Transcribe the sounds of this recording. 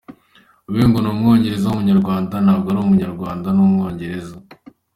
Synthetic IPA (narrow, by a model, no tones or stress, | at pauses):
uβiːŋɡonomŋo̞ːɲɟe̞ɾe̞zaumuɲaɾɡwaːndanhaːbɡaɾoumuɲaɾɡwaːndanumŋo̞ːɲɟe̞ɾe̞za